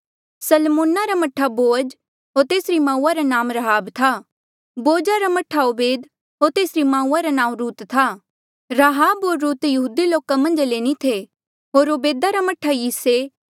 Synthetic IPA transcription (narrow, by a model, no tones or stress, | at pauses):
sɐlmõːnaɾamɐʈʰːaboːəd͡ʒ | ɦoːɾt̪eːsɾimãːũːaɾanãːmɾɐɦaːbt̪ʰa | boːd͡ʒaɾamɐʈʰaʊbeːd̪ | ɦoːɾt̪eːsɾimãːũːaɾanãːũɾuːt̪t̪ʰa | ɾaɦaːbɦoːɾːuːt̪jɐɦuːd̪iloːkamɐ̃nd͡ʒleːnit̪ʰe | ɦoːɾoːbeːd̪aɾamɐʈʰajiːse